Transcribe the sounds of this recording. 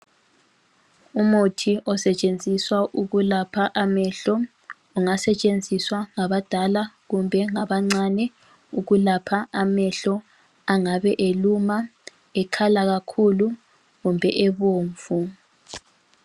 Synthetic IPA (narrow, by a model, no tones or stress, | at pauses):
umutʰiʔɔsɛt͡ʃʼend͡zʱiswaʔuɣulapʰaʔamɛɬɔ | uŋasɛt͡ʃʼend͡zʱiswaŋaβad̥ʱalaɣumbʱɛŋaβaŋ͡ǀanɛ | uɣulapʰaamɛɬɔ | aŋaβɛʔeluma | ɛkʰalaɣakʰulu | ɣumbʱɛʔeβoːɱvu